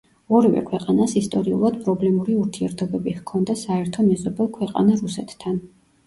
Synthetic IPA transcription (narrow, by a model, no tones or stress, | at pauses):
ɔɾivɛ̰kʰwɛqʼanasist̪ʼɔɾiṵlˠad̪̥pʼɾɔblɛmuɾiuɾt̪ʰiɛɾt̪ʰɔbɛbihkʰɔnd̪asaɛɾt̪ʰɔmɛzɔbɛlˠkʰwɛqʼa̰naɾusɛt̪ʰːan